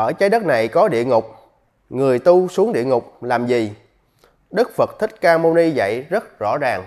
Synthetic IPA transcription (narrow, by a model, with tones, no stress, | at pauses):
ʔəː˧˩t͡ɕaː˨˦jɗə˦˥t̚na˨˩jkɔ˨˦ɗḭ˧˨əŋʊ˨˩k͡p̚ | ŋɨ˨˩əjt̪u˧su˨˦əŋɗḭ˧˨əŋʊ˨˩k͡p̚laː˨˩mzi˨˩ | ɗɨ˦˥k̚fə˨˩t̚t̪ʰï˦˥k̟̚kaː˧mo˧ni˧za̰˧˨jzə˦˥t̚zɔ̰˧˥zaː˨˩ŋ